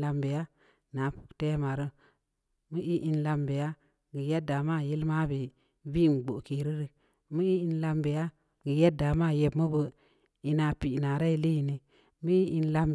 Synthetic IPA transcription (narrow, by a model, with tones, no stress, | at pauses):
la˧mbe˨ja˦ | na˨˦pu̥˨kte˦ma˨ɾə˦ | mə˦ʔi˦ʔi˦nla˧mbe˨ja˦ | ɡi˨je˦da˨ma˦˨ji˦lma˦bi˨ | bi˦˨n˨ɡ͡bo˨ki˨ɾi˦ɾi˨ | mə˦i˦i˦nla˧mbe˨ja˦ | ɡi˨je˦da˨ma˦˨je˨bmə˦bə˨ | i˨na˨pi˨ʔna˨ɾa˦i˨˦li˦i˨ni˨ | mə˦i˦ʔi˦nla˧m